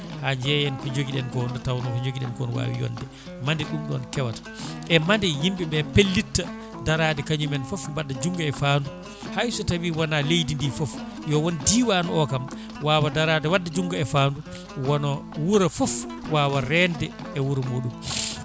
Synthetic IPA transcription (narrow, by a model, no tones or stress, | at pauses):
had͡ʒɛjɛnfɔd͡ʒoɡiɗɛnkɔndɛtawnɔfɔd͡ʒoɡiɗɛ̰nkɔnwa̰ːwḭjɔ̰ndɛ | mandɛɗumɗɔ̰nkɛwatḁʔɛmandɛjimɓibɛpelːitːa | daɾaːdɛkaɲumɛnfɔfwadːad͡ʒuŋɡaɛfaːndu | hajsɔtawiwɔnalejdindifɔf | jɔwɔnidiːwaːnɔɔkam | waːwadaɾadɛwadːad͡ʒuŋɡaɛfaːndu | wɔnɔwuɾafɔf | waːwaɾɛndɛ | ɛwuɾamuːɗum